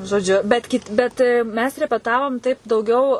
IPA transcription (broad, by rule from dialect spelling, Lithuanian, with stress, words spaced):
ʒoːˈd͡ʒʲʊ ˈbʲɛt kʲɪtʲ ˈbʲɛt ˈmʲɛs rʲɛpʲɛˈtɑːʋoːm tɐɪp dɐʊˈɡʲɛʊ